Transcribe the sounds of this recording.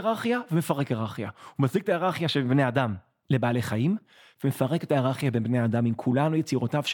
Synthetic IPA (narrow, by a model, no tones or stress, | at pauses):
ʁaχjavemefaʁekeʁaχjahumazik̚t̪aeʁaχjaʃelbneadam | le̞baːle̞χajim | veme̞faʁe̞ke̞taeʁaχjabenbnead̪amimkʰulanujet͡siʁotavʃ